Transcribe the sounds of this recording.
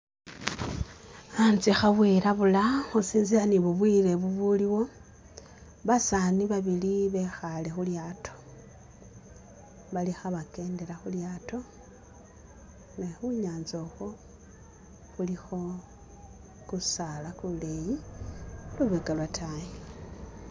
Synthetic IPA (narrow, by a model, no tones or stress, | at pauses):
ant͡sixaβwiɾaβulaxusiːnzianiβuβwile̞βuβuliwo̞ | βasaniβaβiliβe̞xale̞xuljaːtʰo̞̥ | βalixaβake̞ːnde̞ɾaxuljaːto̞ | nexuɲaːnzoxo̞ | xulixo̞ | kusalakuleji | luβeɡalwatʰaje